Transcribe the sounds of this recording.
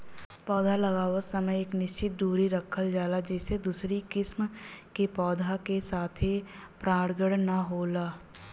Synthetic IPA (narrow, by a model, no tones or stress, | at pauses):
pɔːd̪ʱalɐɡaːʋəsəməjeːknɪʃt͡ʃɪt̪̚d̪uːɾiɾɐkʰːəld͡ʒaːlad͡ʒɛːsed̪uːsɾikɪsmkepɔːd̪ʱakesaːt̪ʰipɾaːɽɡəɽnɐɦoːlaː